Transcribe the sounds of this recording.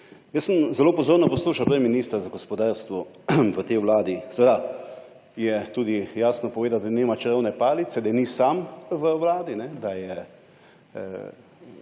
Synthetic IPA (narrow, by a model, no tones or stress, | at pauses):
jəsəmzɛloːpɔzoːɾnɔpɔsluːʃawpɾɛiminiːst̪ɾazaɡɔspɔd̪aːɾst̪ʋɔ | ʋət̪ɛjʋwlaːd̪isʋeːd̪a | jɛt̪uːd̪ijaːsnɔpɔʋeːd̪ad̪aniːmat͡ʃɾəwnɛpaːlit̪sɛd̪ajɛnisamʋəʋlaːd̪inɛd̪ajɛ